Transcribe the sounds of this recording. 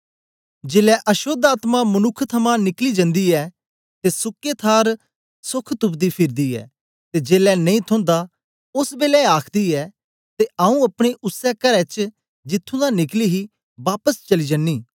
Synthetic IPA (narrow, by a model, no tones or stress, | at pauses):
d͡ʒeːlɛʔɐʃoːd̪aːt̪mãmɐnʊkʰt̪ʰɐmãnɪklid͡ʒə̃nd̪iɛː | t̪esʊkːet̪ʰaːɾ | sʊkʰt̪ʊpd̪ipʰɪɾd̪iːɛ̰ː | t̪ed͡ʒeːlɛnɐ̃ĩt̪ʰʊ̃nd̪a | ʊsbeːlɛaːkʰd̪iːɛː | t̪eaũɐpɽ̃eʔʊsːɛkɐɾɛt͡ʃ | d͡ʒɪt̪ʰːũːd̪anɪkliːɦi | baːpəst͡ʃɐlid͡ʒənːiː